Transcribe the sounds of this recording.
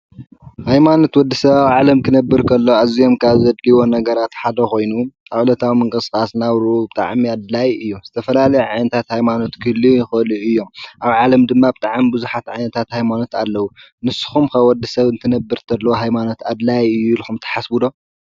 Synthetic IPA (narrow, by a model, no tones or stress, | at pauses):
hajmano̞t̪wɔd̪ːisɐβawʕalɐmkʰɨnɐbːɨɾkʰɐlːoazijo̞mkʰaβzɐd̪liwo̞nɐɡɐɾat̪ħad̪ɐko̞jnuʔawulɐt̪ʰawimɨŋkʼɨskʼasnaβɾɨʔubɨt̪ʼa̰ʕmiad̪lajɨjːuz̥ɨt̪ʰɐfɐlalɐjʕajnɐt̪ʰat̪hajmano̞t̪kʰɨlːixɐliʔɨjːo̞mʔaβʕalɐmd̪ɨmːabɨt̪ʼaʕamibɨzuħat̪ʕajnɐt̪ʰat̪hajmano̞t̪alːɐwu | nɨsːɨ̥xumkɐwɔd̪ːisɐβɨnt̪ʰɨnɐbːɨɾt̪ʰɐdlːɐwoɦajmano̞t̪ad̪lajɨjːulixumt̪ʰɐ̥ħasbɨd̪o̞